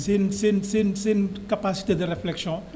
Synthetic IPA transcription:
sɛnsɛnsɛynsɛynkapasi̥t̪ed̪əʁeflɛksjɔ̃

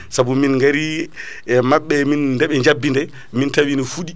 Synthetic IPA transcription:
sabuminŋɡaɾi | ɛmaɓːɛminːdɛɓɛd͡ʒabːindɛ | mintawinifuɗi

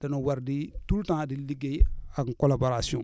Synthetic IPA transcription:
danowaɾditultãdiliɡeaɡkɔlaboɾasiɔ̃

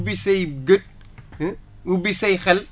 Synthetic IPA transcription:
bisɐjɡət̚ | ubisɐjxɛl

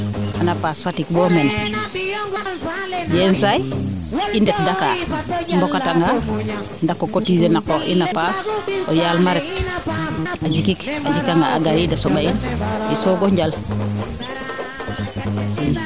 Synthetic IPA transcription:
anapasfatikboːmen | jensaj | indek̚dakambokataŋɡa | ndakːokotid͡ʒenakokḭnapasojalmaɾet | ad͡ʒikikad͡ʒikaŋɡaʔa̰ɡajidasobainisoɡoɲɟal | in

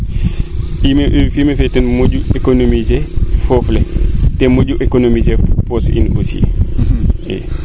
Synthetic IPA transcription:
imeʔfimefetɛnmoɟuekonomizefofletemoɟuʔekonomizeposḭno̰sḭ | ḛ

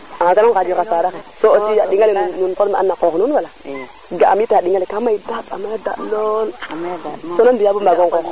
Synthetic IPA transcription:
akanaŋkadokasadakesootijaɗiŋalinunkomaa̰nːakoɣnunwala | ɡaamitaɗiŋalikamaidaba̰majada̰lol | sonambijabumaɡoŋkox

